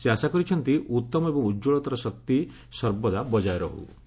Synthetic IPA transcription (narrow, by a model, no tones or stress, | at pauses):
seasakɔɾit͡ʃʰɔnt̪iʔut̪ːɔmɔebɔŋudd͡ʒoɭɔt̪aɾɔsɔk̚t̪i | sɔɾbɔd̪abɔd͡ʒajɾɔɦṵ